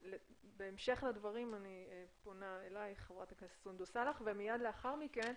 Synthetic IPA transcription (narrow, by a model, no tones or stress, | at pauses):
lebeːmʃe̞χlad̪vaʁimanieponaelajχevʁat̪akassund̪osalaχvemijad̪leaχaʁmiken